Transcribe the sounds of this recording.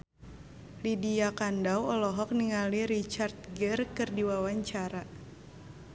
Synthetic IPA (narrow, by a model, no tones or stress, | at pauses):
lidiakandawɔlɔɦɔk̚niŋaliɾit͡ʃart̪̚ɡərkɨrdiwawaɲt͡ʃaɾa